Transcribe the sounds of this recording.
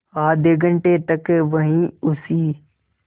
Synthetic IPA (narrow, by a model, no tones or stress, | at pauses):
aːd̪eɡə̃ɳʈet̪ɐkʋɐɦĩʊsiː